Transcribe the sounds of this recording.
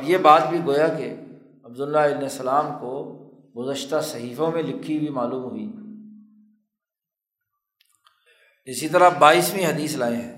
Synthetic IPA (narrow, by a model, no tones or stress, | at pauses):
bjebaːt̪̚bʱiɡoːjakḛ | ɐbd̪ʊlːaɪbnesɐlaːmko | ɡʊzəʃt̪asɐɦiːfõmẽlɪkʰːibʱimaːluːmɦʊiː | ɪsit̪əɾabaːiːsmĩɦɐd̪iːslaːẽɦɛ̃ː